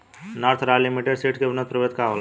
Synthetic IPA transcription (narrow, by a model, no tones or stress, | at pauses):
naɾt̪ʰɾalimiʈeɖseʈʰkebnət̪̚pɾəʋet̪̚kaʋəl